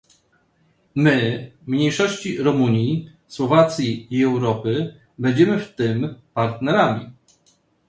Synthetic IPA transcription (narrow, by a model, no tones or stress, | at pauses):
mɘmɲejʂɔɕt͡ɕiɾɔmuɲji | swɔvat̪sʲjiːɛwɾɔpɘ | bɛɲd͡ʑɛmɘft̪ɘmpaɾt̪nɛɾamʲi